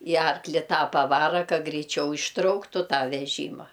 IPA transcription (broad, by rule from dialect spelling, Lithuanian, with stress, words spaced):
ɪ ˈɐrklʲɪ ˈtɑː pɐˈʋɑːrɐ ˈkɐ ɡrʲɛɪˈt͡ʃʲɛʊ ɪʃˈtrɐʊktʊ ˈtɑː ʋʲɛˈʒʲiːmɐ